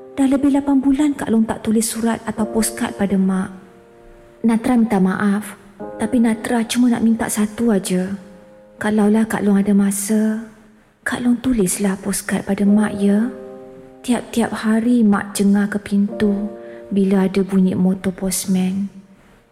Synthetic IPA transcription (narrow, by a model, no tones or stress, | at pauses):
d̥ahləbɪhlapanbulanka̰ʔlɔŋt̪a̰ʔt̪ulɪsːuɾat̪̚at̪awpɔska̰t̪̚padamaʔ | nat̪ɾamĩnt̪aʔmaʔaf | t̪apinat̪ɾat͡ʃumana̰ʔmint̪a̰ʔsat̪uad͡ʒə | kalawlahka̰ʔlʊŋadamasə | ka̰ʔlʊŋt̪ulɪslahpɔskat̪̚padamaʔjə | t̪iap̚t̪iap̚haɾimã̰ʔd͡ʒəŋahkəpint̪ubilaadabuɲḭʔmot̪ɔpɔsmɛn